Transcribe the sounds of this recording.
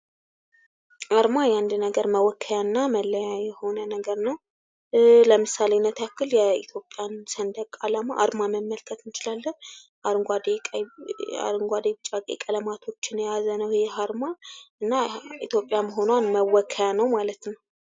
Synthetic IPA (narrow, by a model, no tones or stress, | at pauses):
ʔaɾmajand̪nəɡəɾməwɔkʰːəjanːaməlːəjajɛho̞nənəɡəɾnəw | ləmɨsalenət̪ʰakʰːɨljɛit̪ʰjo̞pʼjansənd̪əkʼːalamaʔa̰ɾmaməmːəlkʰət̪ɨnt͡ʃɪlalːən | ʔaɾŋɡʷad̪ea̰ɾŋɡʷad̪ebɨt͡ʃʼakʼḛkʼələmat̪ʰo̞t͡ʃːɪnjazənəwjɛhaɾmaɨnːait̪jo̞pʼjaməɦo̞nwanməwɔkʰːəjanəwmalət̪nəw